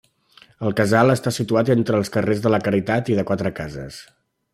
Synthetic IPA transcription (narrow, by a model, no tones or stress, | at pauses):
əlˠkəzalˠəst̪asit̪uat̪ent̪ɾəːlˠskərezðələkəɾit̪at̪iðəkwat̪ɾəkazə̰s